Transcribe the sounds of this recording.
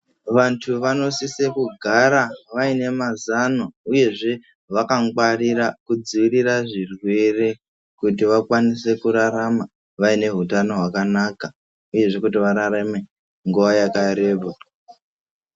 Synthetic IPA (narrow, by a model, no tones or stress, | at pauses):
ʋantʰuʋano̞sisekuɡʱaɾaʋaine̞mazanouje̞ʐe̞ | ʋakaŋɡwariɾakud͡ziʋiriraʐirwe̞re | kutiʋakwanise̞kuɾaɾama | ʋaine̞ɦutano̞ɦwakanaka | uje̞ʐe̞kutiʋaɾaɾame̞ | ŋɡuʋajakaɾe̞ːba